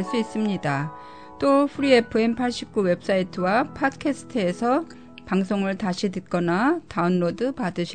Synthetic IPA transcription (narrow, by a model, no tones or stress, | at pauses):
ɭs͈uis͈ɯmɲida | t͈opʰuɾiepʰɯempʰaɭɕ͈ip̚k͈uwe̞p̚s͈aitʰɯwapʰatkʰesʰɯ̥tʰɯe̞sʰʌ | paŋs̬ʰoŋɯɭtaɕʰitɯt̚k͈ʌnataunːodɯpadɯɕʰi